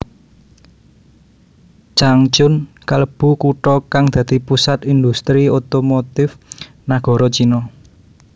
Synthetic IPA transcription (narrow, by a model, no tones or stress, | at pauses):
t͡ʃaŋt͡ʃʊn | kələb̥ṳkuʈɔkaŋd̪̥ä̤d̪̥i̤pusat̪ind̪ust̪ɾiot̪omot̪ɪf | naɡ̥ɔ̤ɾɔt͡ʃinɔ